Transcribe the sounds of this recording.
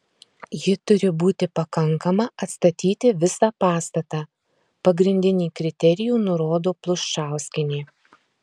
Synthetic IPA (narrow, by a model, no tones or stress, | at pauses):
jɪt̪ʊɾʲɪbuːt̪ʲɪpɐkɐŋˑkɐmɐɐt̪st̪ɐt̪ʲiːt̪ʲɪʋʲɪsɑːpɑːst̪ɐt̪ɑː | pɐɡɾʲɪnʲd̪ʲɪnʲiːkɾʲɪt̪ʲɛɾʲɪjuːnʊɾoːd̪oːplˠʊʃʃɑˑʊsʲkʲɪnʲeː